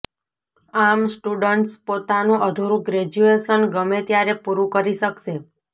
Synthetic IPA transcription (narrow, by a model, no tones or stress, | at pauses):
amsʈuɖəɳʈspot̪anũʔəd̪ʱuɾũɡɾed͡ʒueʃənɡəmet̪jaɾepuɾũkəɾiʃəkʃe